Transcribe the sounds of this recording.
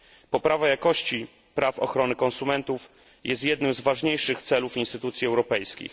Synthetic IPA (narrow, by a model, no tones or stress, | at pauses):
pɔpɾavajakɔɕt͡ɕi | pɾafɔ̰xɾɔnɘkɔnsumɛnt̪uf | jʔɛst̪jɛd̪nɘmzvaʐɲejʂɘxt̪sɛlufinst̪ɘt̪ut̪sʲjiɛwɾɔpɛjskʲḭx